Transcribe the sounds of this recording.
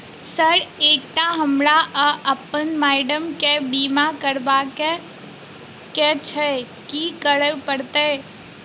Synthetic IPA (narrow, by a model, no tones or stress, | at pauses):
səɾeːk̚ʈ̪aɦəmɾaʔəɐpənmaːɪɖəmkebiːmakəɾbake | kɛt͡ʃʰɛ | kikəɾəpəɽt̪e